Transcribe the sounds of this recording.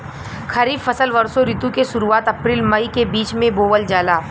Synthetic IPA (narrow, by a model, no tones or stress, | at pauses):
xʰɐɾiːbfɐsəlʋɐɾsoɾɪt̪ukeʃʊɾuaːt̪ɐpɾiːlmɐikebiːt͡ʃmẽboːʋəld͡ʒaːlaː